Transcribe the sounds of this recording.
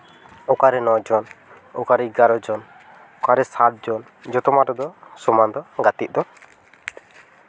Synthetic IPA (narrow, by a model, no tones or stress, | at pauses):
ɔkaɾɛnɔd͡ʒɔn | ɔkaɾɛiɡaɾɔd͡ʒɔn | ɔkaɾɛsat̪̚d͡ʒɔn | d͡ʒɔt̪ɔmaʈɔd̪ɔsɔmand̪ɔɡat̪it̪̚ˀd̪ɔ